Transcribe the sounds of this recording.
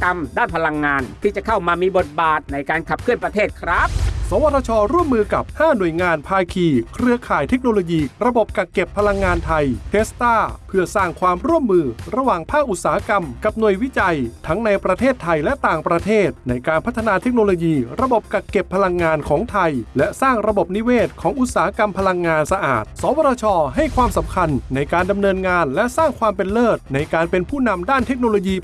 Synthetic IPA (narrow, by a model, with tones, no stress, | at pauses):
ka˧mdaː˥˩npʰa˧la˧ŋːaː˧nt̪ʰiː˥˩t͡ɕa˨˩kʰa˥˩wmaː˧miː˧bo˨˩t̪̚baː˨˩t̪̚na˧jkaː˧nkʰa˨˩p̚kʰɯ˥˩ənpɾa˧t̪ʰeː˥˩t̪̚kʰɾa˦˥p̚sɔː˩˦wa˧˥t̪ʰːaː˧t͡ɕʰɔː˧ɾu˥˩əmːɯː˧ka˨˩p̚haː˥˩nu˨˩əjŋaː˧npʰaː˧kʰiː˧kʰɾɯ˧ɐkʰaː˨˩jt̪ʰe˦˥k̚noː˧loː˧jiː˧ɾa˧bo˨˩p̚ka˨˩kːe˨˩pʰːa˧la˧ŋːaː˧nt̪ʰa˧jp̪ʰeː˦˥st̪aː˥˩pʰɯ˥˩ɐsaː˥˩ŋkʰwaː˧mɾu˥˩əmːɯː˧ɾa˧waː˨˩ŋpʰaː˥˩k̚ʔu˨˩t̪̚saː˩˦a˦˥ka˧mka˨˩p̚nu˨˩əjwi˦˥t͡ɕa˧jt̪ʰa˦˥ŋna˧jpɾa˧t̪ʰeː˥˩t̪ʰːa˧jlɛ˦˥t̪aː˨˩ŋpɾa˧t̪ʰeː˥˩t̪̚na˧jkaː˧npʰa˦˥t̪ʰːa˧naː˧t̪ʰe˦˥k̚noː˧loː˧jiː˧ɾa˧bo˨˩p̚ka˨˩kːe˨˩pʰːa˧la˧ŋːaː˧nkʰɔː˩˦ŋt̪ʰa˧jlɛ˦˥ʔsaː˥˩ŋɾa˧bo˨˩p̚ni˦˥weː˥˩t̪̚kʰɔː˩˦˥ŋʔu˨˩t̪̚saː˨˦ha˦˥ka˧mpʰa˧la˧ŋːaː˧nsa˧ʔa̰ː˨˩t̪̚sɔː˩˦wa˧ɾaː˧t͡ɕʰɔː˧ɦa˥˩jkʰwaː˧msa˩˦mkʰa˧nːa˧jkaː˧nda˧mnɤː˧nŋaː˧nlɛ˦˥saː˥˩ŋkʰwaː˧mpe˧nlɤː˥˩t̪̚na˧jkaː˧npe˧npʰuː˥˩na˧mdaː˥˩nt̪ʰe˦˥k̚noː˧loː˧jiː˧